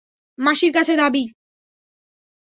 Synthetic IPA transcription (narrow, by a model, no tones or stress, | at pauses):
maʃiɾk̬at͡ɕʰed̪abi